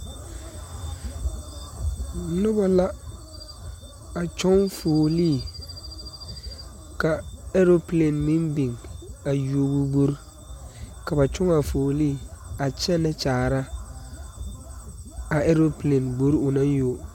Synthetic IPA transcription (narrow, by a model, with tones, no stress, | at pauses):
nʊ˦ba˦la˦ | a˨t͡ʃɔ˦ŋfoː˨liː˦˨ | ka˨ɛ˦ɾo˦ple˨nmi˦mbi˨ŋa˨jo˦bu˦bo˦ɾ | ka˨ba˨t͡ʃʊ˦ŋa˨foː˨liː˦˨a˨t͡ʃɛ˦nɛ˦t͡ʃaː˨ɾa˦ | a˨ɛ˦ɾo˦ple˨nbo˦ɾʊ˨na˦njo˦